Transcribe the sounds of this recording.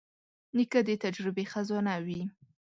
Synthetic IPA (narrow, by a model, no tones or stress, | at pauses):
nikad̪et̪ad͡ʒɾɪbexazɔnawi